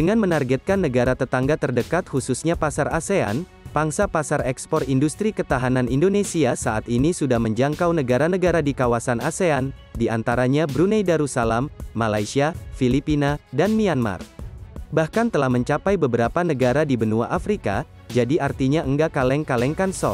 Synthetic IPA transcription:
dəŋanmənarɡɛt̪̚kanːəɡaɾat̪ət̪aŋɡat̪ərdəkat̪̚hususɲapasarasea̰n | paŋsapasarɛkspɔrindust̪ɾikət̪aɦananindonesiasaʔat̪inisudahməɲd͡ʒaŋkawnəɡaɾanəɡaɾadikawasanʔasean | diʔa̰nt̪aɾaɲabɾunɛjdaɾusalamːalajsiafilipinadanmianma̰rbahkant̪əlahməɲt͡ʃapajbəbəɾapanəɡaɾadibənua̰ʔafɾika̰ | d͡ʒadiʔart̪iɲaʔəŋɡakalɛŋkalɛŋkansɔ̰

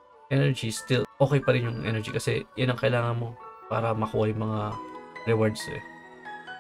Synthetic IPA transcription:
ʔɛnɛɹd͡ʒist̪ɪlʔo̞ːkɛjpɐɾɪnjʊŋʔɛ̰nɛɹd͡ʒikɐsɛjanɐŋkɐʔɪlaːŋɐnmo̞pa̰ːɾɐmɐkuːʔɐjʊŋmɐŋaɾɛwaɹd̪sɛ̰

